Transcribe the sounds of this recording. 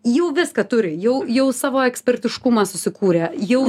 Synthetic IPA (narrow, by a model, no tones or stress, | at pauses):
jɛʊʋʲɪskɐt̪ʊɾʲɪjɛʊjɛʊsɑːʋoːɛksʲpʲɛrʲt̪ʲɪʃkʊmɑsʊsʲɪkuːɾʲeːjɛʊ